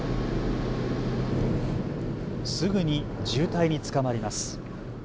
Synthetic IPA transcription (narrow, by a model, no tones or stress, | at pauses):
sɨɡɯ̟ɲ̟id͡ʑɨːt̪aiɲ̟it͡sɨ̥kamaɾʲimasɨ̥